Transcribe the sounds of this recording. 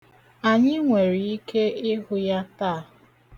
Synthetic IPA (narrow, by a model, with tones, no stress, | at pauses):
a˨ɲɪ˦ŋʷe˨ɾi˨i˦ke˦ɪ˦ɦʊ˦ja˦taː˦˨